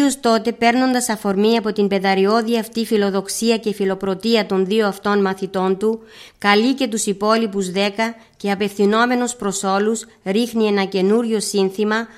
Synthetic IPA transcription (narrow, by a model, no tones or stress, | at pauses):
ost̪o̞t̪e̞pe̞ɾno̞nd̪ɐsɐfo̞ɾmiɐpo̞t̪imbe̞ðɐɾio̞ðiɐft̪ifilo̞ðo̞ksiɐce̞filo̞pɾo̞t̪iɐt̪o̞nðioɐft̪o̞nmɐθit̪o̞nt̪u | kɐlice̞t̪usipo̞lipuzðe̞kɐ | ce̞ɐpe̞fθino̞me̞nuspɾo̞so̞lus | ɾixnie̞nɐce̞nuɾʝo̞sinθimɐ